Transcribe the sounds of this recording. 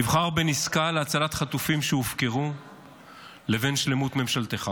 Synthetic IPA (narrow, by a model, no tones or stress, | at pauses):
ivχaʁbeniskaleat͡salat̪χatufimʃeufke̞ʁu | le̞ve̞nʃle̞mut̪me̞mʃalt̪eχa